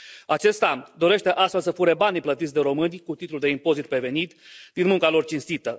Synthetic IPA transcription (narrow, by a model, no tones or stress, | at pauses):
at͡ʃe̞st̪ad̪o̞ɾe̞ʃt̪e̞ʔast̪fe̞lsəfuɾe̞baniplət̪it̪sʲd̪e̞ɾo̞mɨnʲkut̪it̪luld̪e̞impo̞zit̪̚pɾe̞ve̞nit̪d̪inmuŋkalo̞rt͡ʃinst̪it̪ə